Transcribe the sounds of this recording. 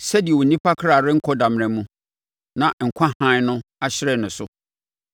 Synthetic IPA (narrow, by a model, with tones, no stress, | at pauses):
sɛ˦di˨ɛ˨wo˨nĩ˦pʰa˦kʰɾa˨ɾɪ˦ŋ̩˦kʰɔ˦dã˨m˨ɛ̃˨mũ˦ | nã˨ŋ̩˨kʷʰã˦hã˦nʊ̃˦a˦ɕɪ˦ɾɛ˨nʊ̃˨sʊ˦